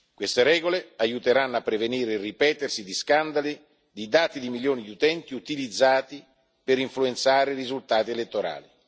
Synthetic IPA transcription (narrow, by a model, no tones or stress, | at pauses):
kwest̪eɾɛːɡoleajut̪eɾanːapːɾeveniːɾeripɛːt̪ersid̪iskand̪ali | d̪id̪aːt̪id̪imiljoːnid̪iut̪ɛnt̪iut̪ilid̪zːaːt̪i | peɾiɱfluent̪saːɾerizult̪aːt̪ielet̪ːoɾa̰ːli